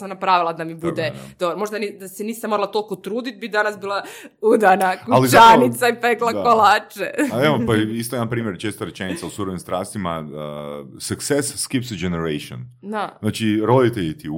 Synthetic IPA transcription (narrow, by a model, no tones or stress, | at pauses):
samnapɾaːʋilˠad̪amibud̪ed̪̥obɾomo̞ʒd̪anid̪aseniːsemo̞ɾlˠat̪o̞lˠkot̪ɾuːd̪it̪̚bid̪anasbiːlˠaud̪anakualit͡ʃanit̪saipeklˠakolat͡ʃḛeopaist̪ojeanpɾiːmjeɾt͡ʃeːst̪oɾet͡ʃenit̪sausuɾonimst̪ɾaːst̪ima̰ | suksesːkipsid͡ʒeneɾejʃio̰nd̪anaːt͡ʃiɾo̞d̪it̪eʎit̪i